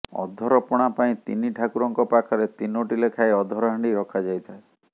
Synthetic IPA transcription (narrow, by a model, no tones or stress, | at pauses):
ɔ̰d̪ʱɔɾɔpɔɽ̃apaĩt̪ḭniʈʰakuɾɔŋkɔpakʰɔɾet̪inoʈilekʰaeɔd̪ʱɔɾɔɦaɳɖiɾɔkʰad͡ʒajt̪ʰae